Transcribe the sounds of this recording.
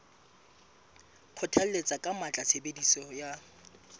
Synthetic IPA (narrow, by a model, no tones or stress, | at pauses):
q͡χʰʊtʰal̩let͡sʼakʼamat͡ɬʼasʰebedisɔja